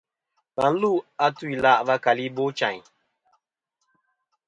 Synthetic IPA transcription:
ka˨n̩˦lu˦˨a˦tu˦i˨la˦ʔva˦ka˨li˦bo˦t͡ʃa̰˨ɲ˨

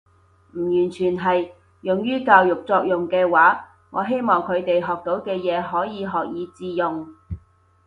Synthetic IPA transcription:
m̩˨˩jyː˨˩nt͡ʃʰyː˨˩nɦɐ˨j | jʊ˨ŋjyː˥kaː˧wjʊ˨k̚t͡sɔː˧k̚jʊ˨˩ŋkɛː˧waː˨˥ | ŋɔ̰ː˨˧ɦe˥jmɔː˨˩ŋkʰɵ˨˧ɥt̪e˨jɦɔː˨k̚t̪o˨˥wkɛː˧jɛː˨˧ɦɔː˨˥jiː˨˧ɦɔː˨k̚jiː˨˧t͡siː˧jʊ˨ŋ

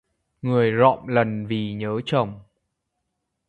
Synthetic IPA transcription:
ŋɨ˨˩əjzɔ̰˧˨mlə˨˩nvi˨˩ɲəː˨˦t͡ɕə˨˩wŋ͡m

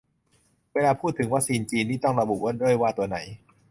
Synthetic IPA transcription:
weː˧laː˧pʰuː˥˩t̪ʰːɯ˩˦ŋwaː˦˥k̚siː˧nt͡ɕiː˧ntːiː˥˩t̪ɔ˥˩ŋɾa˧bu˨˩wo˥ndu˥˩əjwaː˥˩t̪u˧ɐna˩˦j

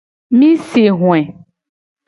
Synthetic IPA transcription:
mĩ˦si˨ɦw̃ɛ̃˨

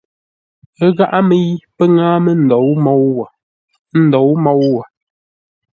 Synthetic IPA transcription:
ə˦ɣa˦ʔa˦mə˦ji˦pə˦ŋaː˦mə˦n̩˨dɔ˨˦wmɔ˦w | n̩˦dɔ˨˦wmɔ˦wwa˨

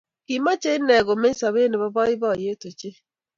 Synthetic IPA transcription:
ki˨ma˦t͡ʃe˦i˦nɛ˨ɣo˨me˦sa˨βe˦ne˨βɔ˦βɔ˦ɪ˦βɔ˦˨je˦to˨t͡ʃe˦

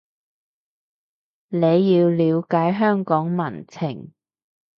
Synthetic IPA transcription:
ne˨˧jːiː˧wliː˨˧wkaː˨˥jɦœː˥ŋkɔː˨˥ŋmɐ˨˩nt͡sʰɪ˨˩ŋ

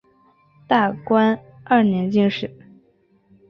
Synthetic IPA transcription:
t̪a˥˩kwa˥na˥˩njɛ˧˥nt͡ɕi˥˧ŋʂɻ̩˥˩

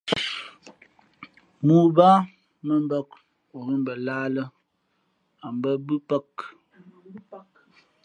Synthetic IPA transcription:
mu˨ba˦ | mə˦m˦bə˦k̚ | o˨mə˦m˨bə˨laː˦lə˦ | a˨mbə˦bɨ˦pə˦k

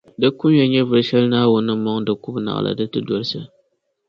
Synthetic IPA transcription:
dɨ˦kʊ˦mjɛ˦ɲɛ˦vɨ˨ɾʃɛ˦lnaː˦wʊ˦nːɨ˦mɔ˦ŋdɨ˨kʊ˦bna̰˨ʔlʔa̰˨dɨ˦tɨ˦dɔ˦ɾsɨ˨

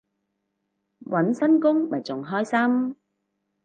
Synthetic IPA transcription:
wʔɐ˨˥nsɐ˥nkʊ˥ŋmɐ˨jt͡sʊ˨˩ŋɦɔː˥jsɐ˥m

